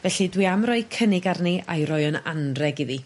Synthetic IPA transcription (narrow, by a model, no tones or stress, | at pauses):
vɛɬidwiamrɔɨkʰənɪɡarniʔa̰jɾɔjənanrɛɡiði